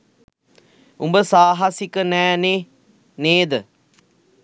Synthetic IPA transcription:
umbəsaːɦasikənɛːneː | neːd̪ə

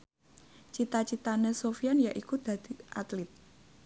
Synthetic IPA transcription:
t͡ʃit̪at͡ʃit̪anesofijanjaʔikud̪̥ä̤d̪̥iʔat̪lɪt̪̚

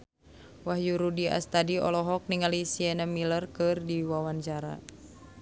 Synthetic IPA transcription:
wahjuɾudia̰st̪adiɔ̰lɔɦɔk̚niŋalisiɛnamilərkɨrdiwawand͡ʒaɾa̰

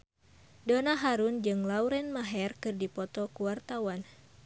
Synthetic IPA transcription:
donaɦaɾund͡ʒɨŋlauɾɛnmaɦɛrkɨrdipɔt̪ɔkuwart̪awan

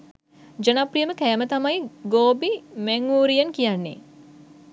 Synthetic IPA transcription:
d͡ʒənaprijəməkæːmət̪amajɡoːbimæŋːuːɾijənkijanːḛ

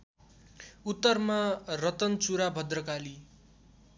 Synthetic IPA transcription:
ut̪ːʌrmarʌt̪ʌnt͡suɾabʱʌd̪rʌkali

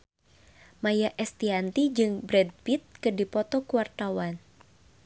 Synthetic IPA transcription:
majaʔɛst̪iant̪id͡ʒɨŋbɾɛd̚pit̪̚kɨrdipɔt̪ɔkuwart̪awan

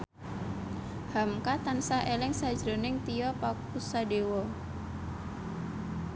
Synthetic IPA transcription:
hamkat̪ansaʔelɪŋsḁd͡ʒɾonɪŋt̪iɔpak̚usadewɔ

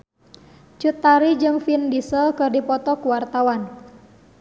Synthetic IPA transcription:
t͡ʃut̪ːaɾid͡ʒɨŋfindisəlkɨrdipɔt̪ɔkuwart̪awan

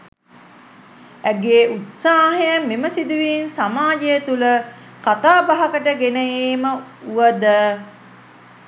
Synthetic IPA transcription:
æɡeːʔut̪saːɦəjəmeməsid̪uʋiːnsamaːd͡ʒejət̪ulə | kat̪aːbaɦɐkəʈəɡenəjeːməuʋəd̪ə

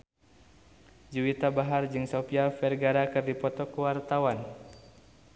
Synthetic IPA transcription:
d͡ʒuwit̪abaɦard͡ʒɨŋsɔpiafɛrɡaɾakɨrdipɔt̪ɔkuwart̪awan

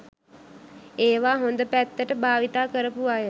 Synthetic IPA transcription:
eːʋaːɦond̪əpæt̪ːəʈəbʱaːʋit̪aːkəɾəpuaːjə

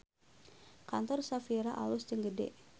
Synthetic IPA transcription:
kant̪ɔrsafiɾaʔa̰lʊsd͡ʒəŋɡədɛ̰ʔ

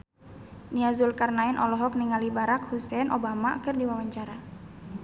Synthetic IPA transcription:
niazulkarnaɪnʔɔlɔɦɔk̚niŋalibaɾakhusɛnʔobamakɨrdiwawaɲt͡ʃaɾa

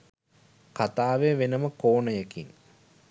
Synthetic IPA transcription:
kat̪aːʋeʋenəməkoːnəjekḭŋ

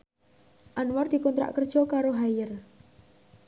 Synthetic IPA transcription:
ʔanward̪̥i̤kɔnt̪ɾa̰ʔkərd̥ʒ̥ɔkaɾoɦajər

